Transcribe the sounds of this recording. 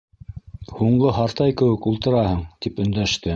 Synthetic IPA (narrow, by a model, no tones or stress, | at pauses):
huɴɢɤɦɑɾt̪ɑjkɘ̆wɘkulˠt̪ɤ̆ɾɑhɤɴt̪ipɵ̆nd̪æʃt̪ɘ